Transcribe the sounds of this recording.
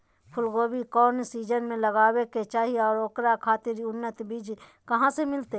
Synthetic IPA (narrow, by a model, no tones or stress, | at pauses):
pʰʊlɡoːbikɔːnsiːd͡ʒənmẽləɡaːweket͡ʃaːɦiɔːɾoːkɾakʰaːt̪ɪɾiʊnːət̪biːd͡ʒ | kɐɦãsemɪlt̪e